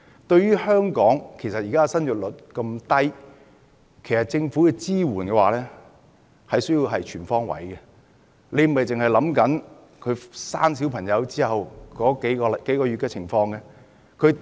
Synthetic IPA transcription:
t̪ɵ˧ɥyː˥hœː˥ŋkɔː˨˥ŋkʰe˨˩jsɐ˨t̚jiː˨kaː˥˨sɐ˥njɵ˨t̚lɵ˨˩t̚kɐ˧mt̪ɐ˥j | kʰe˨˩jsɐ˨˩t̚t͡sɪ˧ŋfu˨˥kɛ˧t͡siː˥wuː˨˩nkɛ˧waː˨lɛː˥ | hɐ˨jsɵ˥jiː˧wɦɐ˨jt͡ʃʰyː˨˩nfɔː˥ŋwɐ̰˨˥jkɛ˧ | ne˨˧jm̩˨˩hɐ˨˩jt͡sɪ˨ŋhjlɐ˨˥mkɐ˨˥n | kʰɵ˨˧ɥsaː˥nsi˨˥wpʰɐ˨˩ŋjɐ˨˧wt͡siː˥ɦɐ˨wkɔː˨˥ke˨˥jkɔː˧˨ke˨˥jkɔː˧ɥyː˨t̚kɛː˧t͡sʰɪ˨˩ŋfɔː˧ŋɡɛ˧ | kʰɵ˨˧ɥ

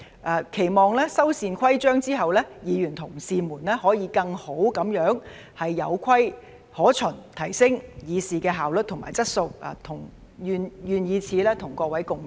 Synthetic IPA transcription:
ʔaː˨˧kʰe˨˩jmɔː˨˩ŋlɛː˥sɐ˥wsiː˧nkʷʰɐ˥jt͡ʃœː˥ŋt͡siː˥ɦɐ˨wlɛː˥jiː˨˧jyː˨˩nt̪ʰʊ˨˩ŋsiː˧muː˨˩nlɛː˥hɔː˨˥jiː˨˧kɐ˧ŋho˨˥wkɐ˨˥mjœː˨˥ŋ | hɐ˨jːɐ̰˨˧wkʰɐ˥j | hɔː˨˥t͡ʃʰɵ˨˩nt̪ʰɐ˨˩jsɪ˥ŋjiː˨˧siː˨˧kɛː˧ɦaː˨wlɵ˨t̚t̪ʰʊ˨˩ŋma̰ː˨˩jt͡sɐ˥t̚so˧wa̰ː˨˧t̪ʰʊ˨˩ŋ | jyː˨˧njyː˨njiː˨˧t͡sʰiː˨˥lɛː˥t̪ʰʊ˨˩ŋkɔː˧kwɐ˨˥jkʊ˨˧ŋ

